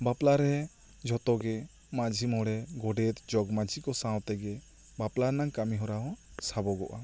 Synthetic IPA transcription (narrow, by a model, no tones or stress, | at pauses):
baplaɾɛɦɛ | d͡ʒʱɔt̪ɔɡɛ | mad͡ʒʱimɔɽɛɡɔɖɛt̪d͡ʒɔɡmad͡ʒʱikɔsãwt̪ɛɡɛ | baplaɾnaŋkamiɦɔɾaɦɔsabɔɡɔʔa